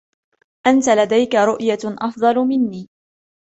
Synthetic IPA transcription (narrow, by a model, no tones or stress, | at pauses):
ʔant̪alad̪ajkaɾʊʔjaʔɑfd̪ˤɑlmɪnːiː